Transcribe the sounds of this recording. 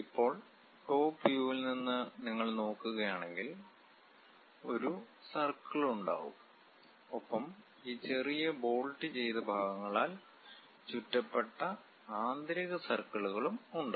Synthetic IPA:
ipːo̞ːɭ | ʈo̞ːpːjuʋilninːɨniŋːɐɭno̞ːkːuɣɐjaːɳe̞ŋɡil | o̞ɾusɐrkɐɭuɳɖa̰ːɣṵm | opːɐm | iːt͡ɕe̞rijɐbo̞ːɭʈːit͡ɕe̞jt̪ɐbʱaːɣɐŋːɐɭaːl | t͡ɕutːɐpːe̞ʈːɐ | aːnd̪ɾiɣɐsɐrkɐɭuɣɐɭumuɳɖa

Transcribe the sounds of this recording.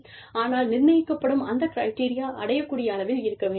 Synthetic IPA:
aːnaːlnɪrmɐjɪkːɐpːɐɽɯmɐnd̪ɐkɪɾɐɪʈiːɾɪjaːʔɐɽɐjɐkːuːɽɪjaːnɐʋɪlɪɾɯkːɐʋeː

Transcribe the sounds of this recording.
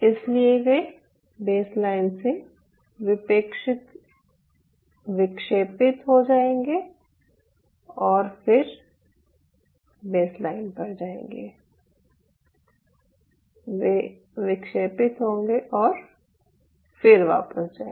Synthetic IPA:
ɪslieʋe | beːslaːɪnse | ʋɪpeːkʃɪt̪ | ʋɪkʃeːpɪt̪ɦod͡ʒaːẽːŋɡe | ɔːɾfɪɾ | beːslaːɪnpɐɾd͡ʒaːḛ̃ːŋɡeː | ʋe | ʋɪkʃeːpɪt̪ɦõːŋɡeʔɔːɾ | fɪɾʋa̰ːpəsd͡ʒaː

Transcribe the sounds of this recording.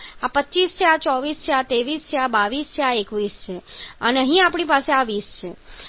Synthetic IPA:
apətːt͡ʃist͡ʃʰeat͡ʃɔʋist͡ʃʰeat̪eʋist͡ʃʰeabaʋist͡ʃʰeaekʋist͡ʃʰeəneəɦĩapɽ̃ipaseaʋist͡ʃʰe

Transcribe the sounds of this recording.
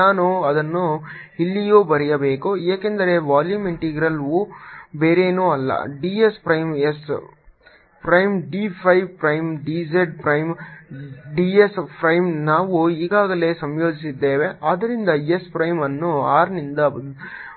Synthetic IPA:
naːnuɐd̪ɐnːu | ilːijoːbɐɾɛjɐbe̞ːkueːkend̪ɐɾe̞ʋaːljuːmiɳʈiːɡɾɐlʋubeːɾeːnuːɐlːɐ̰ɖiːespɾɐjmes | pɾɐjmɖiːpʰɐjʋpɾɐjmɖiːd͡ʒeɖpɾɐjm | ɖiːespɾɐjmnaːʋuiːɡaːɡɐle̞ːsɐmjo̞ːd͡ʒisid̪ːeːʋeʔaːd̪ɐɾind̪ɐjespɾɐjmɐnːuaːɾnind̪ɐ

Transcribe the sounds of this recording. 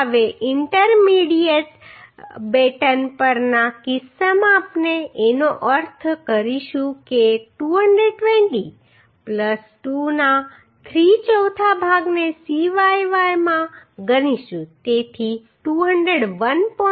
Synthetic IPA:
ʋeʔɪɳʈəɾmiɽieʈ | beʈənpəɾnakɪsamãːpneenoʔəɾt̪ʰkəɾiʃũkeʈuɦəɳɖɾeɖ̚ʈʋẽɳʈi | pləsʈuna | t̪ʰɾit͡ʃəwt̪ʰabʱaɡnesiʋajʋajmãɡəniʃũt̪et̪ʰi | ʈuɦəɳɖɾeɽʋənpɔ

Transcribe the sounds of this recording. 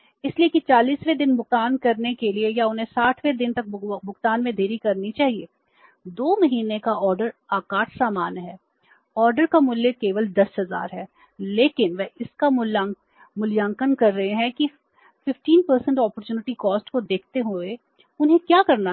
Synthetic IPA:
ɪsliekit͡ʃaːliːsʋed̪ɪnbʊk̚t̪aːnkɐɾnekeliejaʊnɦẽsaːʈʰʋed̪ɪnt̪ɐk̚bʊkt̪aːnmẽd̪ʱeːɾikɐɾnit͡ʃaːɦieː | d̪oːmɐɦiːnekaɔːɾɖəɾaːkaːʈʰsaːmaːnɦɛː | ɔːɾɖəɾkamʊlːekeːʋəld̪ɐsɦɐza̰ːɾɦɛː | leːkɪnʋɛɦɪska | mʊljãːŋkənkɐɾːɐɦeɦɛ̃ki | fɪfʈiːnpəɾsə̃ɳʈɔːpəɾt͡ʃuːnɪʈikɔːsʈkod̪eːk̚ʰt̪eɦoe | ʊnɦẽkjaːkɐɾna

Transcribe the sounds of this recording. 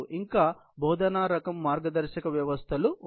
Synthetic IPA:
ʔiŋkaː | bʱɔːd̪ʱɐnaːɾɐkɐmːaːɾɡɐd̪ɐɾʃɐkɐʋjɐʋɐst̪ʰɐlu

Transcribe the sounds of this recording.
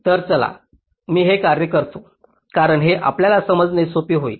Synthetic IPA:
t̪əɾt͡səla̰ | miːɦekaɾjəkəɾt̪o | kaɾəɳɦeʔa̰pljalasəməd͡znesopiːɦoḭː

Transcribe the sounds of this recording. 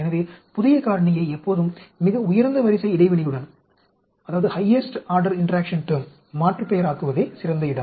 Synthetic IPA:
ɛnɐʋeːpʊðɪjɐkaːɾɐɳɪjɐɪɛpːoːðɯmːɪɣɐʊjɐɾnd̪ɐʋɐɾɪsɐɪɪɽɐɪʋɐɳɪjɯɽɐn | ɐðaːʋɐðɯhɐjɐsʈaːɾɖɐɾɪɳʈɐɾaːkʂɐnʈɯmː | aːʈrɯpɐjɐɾaːkɯʋɐðeːsɪɾɐnd̪ɐɪɽɐm

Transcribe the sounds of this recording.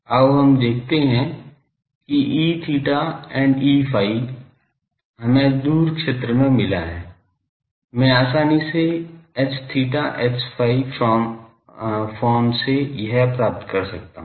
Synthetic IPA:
aoɦɐmd̪eːkʰt̪eɦɛ̃ | kiʔiːt̪ʰiːʈaɛ̃ːɳɖiːfʰaːi | ɦɐmẽd̪uːɾkʃeːt̪ɾəmẽmɪlaɦɛː | mɛ̃aːsaːniseɛst̪ʰiːʈaʔɛkspʰaːif | foːnsejɐɦɛpɾaːp̚t̪kɐɾsɐk̚t̪a̰ɦ

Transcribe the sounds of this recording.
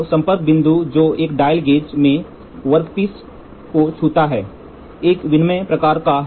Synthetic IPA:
sɐ̃mpət̪̚bɪ̃nd̪ʱud͡ʒoːeːkɖaːɪlɡeːd͡ʒmẽ | ʋəɾp̪is | kot͡ʃʰuːt̪aɦɛː | eːkʋɪnmepɾɐkaːɾka

